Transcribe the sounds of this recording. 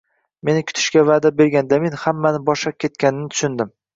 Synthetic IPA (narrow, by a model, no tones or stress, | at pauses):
me̞nɪkʲʰʊ̥t̪ʰɪ̥ʃkʲavad̪abeɾɡʲand̪amenhamːanɪbɒʃlap̚kʲʰe̞t̪̚kʲanɪnɪt̪ʰʊ̥ʃʊnd̪ɪm